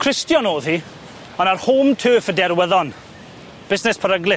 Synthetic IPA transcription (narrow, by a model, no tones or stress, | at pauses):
kʰr̥ɪstjɔnoːðhi | ɔnarhuːmtʰøːfədɛɾwəðɔn | b̥ɪsnɛspʰəɾəɡlˠɪ